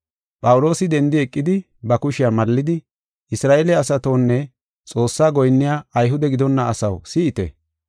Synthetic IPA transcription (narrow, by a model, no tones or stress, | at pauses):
pʼɐwʊlo̞ːsɪd̪ɛnd̪ɪɛkʼːɪd̪ɪ | bɐkʊʃɪjamɐlːɪd̪ɪ | ʔɪsɾaːʔeːlɪɐsɐt̪oːnːɛ | t͡sʼo̞ːsːaːɡɔjnːɪjaːjɦʊd̪ɛɡɪd̪ɔnːɐɐsɐwsiːʔɪt̪ɛ̰